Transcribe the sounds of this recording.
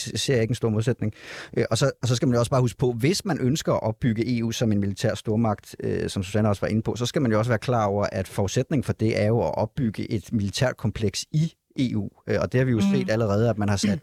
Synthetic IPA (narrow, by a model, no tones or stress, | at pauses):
se̝ɐ̰je̝ɡənsd̥o̝ɐmo̝ðˠsed̥ne̝ŋʔʔɒ̽sɒ̽sɒ̽sɡ̥æmænjo̝ɒ̽sɑ̈ːhusɡ̥ə̥pʰɒ̽ʋe̝smænʔønsɡ̥ɐæʔɒ̽b̥ːyɡ̥əʔe̝ːṵːsɒ̽me̝nmilit͡sʰæ̰ɐ̰sd̥o̝ɐmɑ̈ɡ̥d̥øsɒ̽msusænəɒ̽sʋɑ̈ʔe̝nəpʰɒ̽sɒ̽sɡ̥æmænjo̝ɒ̽sʋæːɐkʰlɑ̰̈ːɒʊ̰ɐʔæd̥fɒud̥sed̥ne̝ŋn̩fɒ̽d̥e̝ʔæɐjo̝ɒʔɒ̽b̥ːyɡ̥əʔe̝d̥milit͡sʰæ̰ɐd̥̚kʰɒ̽mpʰleɡ̥si | ʔe̝̰ːṵːøɒ̽d̥e̝hɑ̈ʋijo̝se̝̰ːd̥æləʁɛːð̞̩ˠæd̥mænhɑ̈sæd̥